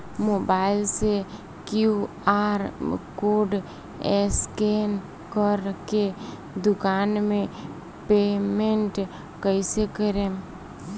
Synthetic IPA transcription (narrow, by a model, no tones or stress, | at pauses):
moːbaːɪlse | kju | aːɾkoːɖ | ɛsken | kəɾke | d̪ʊkaːnmẽ | peːmẽɳʈ | kəɪsekəɾẽ